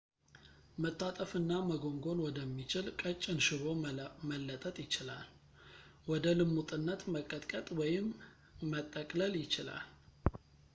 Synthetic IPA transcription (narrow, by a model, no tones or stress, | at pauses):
mət̪ʼːat̪ʼəfɨnːaməɡo̞ŋɡo̞nwɔd̪əmːit͡ʃɪlkʼət͡ʃʼːɪnʃɨβo̞məlːət̪ʼət̪ʼjɪt͡ʃɪla̰l | wɔd̪əlɨmːut̪ʼɨnːət̪məkʼət̪ʼkʼət̪ʼwɔjɪmː | ət̪ʼːəkʼləljɪt͡ʃɪla̰l